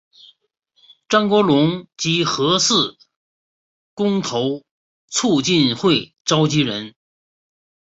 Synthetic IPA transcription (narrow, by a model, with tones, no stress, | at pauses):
ʈ͡ʂɑ˥ŋkwɔ˧˥lʊ˧˥ŋt͡ɕi˧˥xɤ˧˥sɹ̩˥˩ | kʊ˥ŋt̪ʰo˧˥ʊ | t͡sʰu˥˧t͡ɕi˥˧nxwe˥˩ɪ | ʈ͡ʂɑ˥ʊt͡ɕi˥ɻə˧˥n